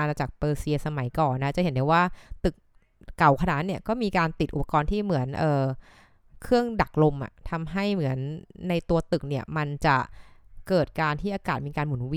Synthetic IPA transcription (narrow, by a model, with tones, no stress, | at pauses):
a˧na˧t͡ɕaː˨˩k̚pɤː˧si˧sa˧ma˨˩˦jkɔː˨˩nːa˦˥t͡ɕa˨˩he˩˦nda˧waː˥˩t̪ɯ˨˩k̚ː | a˨˩˦wkʰa˧naː˩˦nːi˥˩ɐkɔː˥˩miː˧kaː˧nt̪i˨˩t̪̚ʔṵ˨˧˩pa˧kɔː˧nt̪ʰiː˥˩mɯ˩˦ənʔɤː˨˩ | kʰɯ˥˩əŋda˨˩k̚lo˧mʔa̰˨˩ʔt̪ʰa˧mɦa˥˩jmɯ˩˦ənːa˧jt̪u˧ɐt̪ɯ˨˩k̚ni˥˩ɐma˧nt͡ɕa˨˩kɤː˨˩t̪̚kaː˧nt̪ʰiː˥˩ʔaː˧kaː˨˩t̪̚miː˧kaː˧nmu˩˦n˧wi˧